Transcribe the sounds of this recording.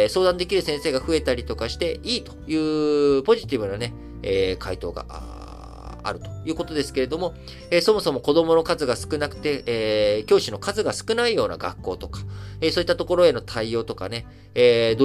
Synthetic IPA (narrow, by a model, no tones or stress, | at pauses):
so̞ːd̪ãnd̪e̞kʲiɾɯ̟sẽɰ̃se̞ːɡaɸɯ̟e̞t̪aɾʲit̪o̞kaɕi̥t̪e̞iːt̪ojɯ̟ːpo̞ʑit̪ʲibɯ̟nane̞ | eːkʰait̪o̞̰ːɡa̰a̰ | a̰ɾɯ̟t̪o̞̥jɯ̟ːko̞t̪o̞d̪e̞sɨ̥ke̞ɾe̞d̪o̞mo̞ | eːso̞mo̞so̞mo̞ko̞d̪o̞mo̞no̞kazɨɡasɨ̥kɯ̟nakɯ̟̥t̪e̞ːkʲo̞ːɕino̞kazɨɡasɨ̥kɯ̟naijo̞ːna̰ɡa̰kːo̞ːt̪o̞kḁeso̞ːit̪ːat̪o̞ko̞ɾo̞e̞no̞t̪ʰaijo̞ːt̪o̞ka̰ne̞ː | d̪o